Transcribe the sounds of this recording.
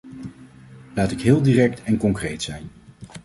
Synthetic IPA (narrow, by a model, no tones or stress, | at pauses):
laːtɪkɦɪːlˠdiːrɛk̚tɛnkɔŋkrejtsɛjn